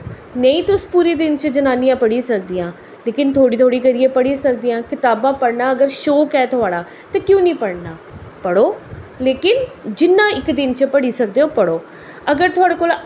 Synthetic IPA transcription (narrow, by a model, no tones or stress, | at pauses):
nəĩːt̪ʊspuːɾiːd̪ɪnt͡ʃəd͡ʒənaːnijãːpəɽiːsək̚d̪iːãː | leːkɪnt̪ʰoːɽiːt̪ʰoːɽiːkəɾiːeːpəɽiːsək̚d̪ijãːkɪt̪aːbãːpəɽnaːəɡəɾʃoːkɛːt̪ʰʊaːɽaː | t̪ãːkjõːnĩːpəɽnaːpəɽoːleːkɪnd͡ʒɪnːãːɪkd̪ɪnt͡ʃəpəɽiːsəkd̪eːoːpəɽoː | əɡəɾt̪ʰʊaːɽeːkoːl